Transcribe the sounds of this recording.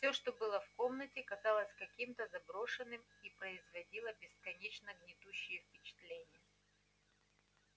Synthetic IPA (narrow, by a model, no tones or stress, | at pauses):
fsʲo̞ʂt̪o̞bɨlˠəfko̞mnətʲɪkɐzɑlˠəsʲkɐkʲimt̪əzɐbɾo̞ʂɨnːɨm | ipɾəɪzvɐdʲilˠəbʲɪskɐnʲet͡ɕnəɡnʲɪd̪uɕːɪjəfpʲɪt͡ɕɪ̥t̪lʲenʲɪjə